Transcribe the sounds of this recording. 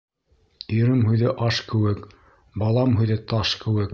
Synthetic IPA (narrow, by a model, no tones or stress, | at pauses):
iɾɘmɦʉjðɘʔɑʃkɘ̆wɘk | bɑlˠɑmɦʉjðɘt̪ɑʃkɘ̆wɘk